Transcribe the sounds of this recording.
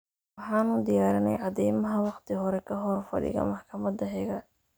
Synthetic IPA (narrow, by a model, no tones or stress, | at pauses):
wɑħɑːnʊd̪ɪjaːɾɪnɛ̰jʕɑd̪ɛjmɐɦɐwɑqt̪ʰɪɦɔɾɛkʰɐɦɔrfɐ̰ɽɪ̰ɣɐ̰mɑħkʰɐmɐd̪ɐɦɛɣɐ